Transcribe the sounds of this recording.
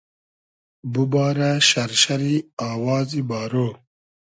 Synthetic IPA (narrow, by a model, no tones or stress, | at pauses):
bubaːɾaɕɐɾʃɐɾiaːwɑːzibaːɾoː